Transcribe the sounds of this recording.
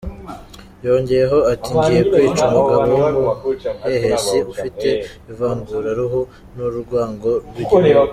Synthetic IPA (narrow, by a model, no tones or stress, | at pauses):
jo̞ːɲɟe̞jeɦo̞atiːɲɟijekwwiːt͡ʃumaɡaβouhehesiufite̞ivaːŋɡuɾaɾuɦu | nuɾuɾɡwaːŋɡo̞ɾɡi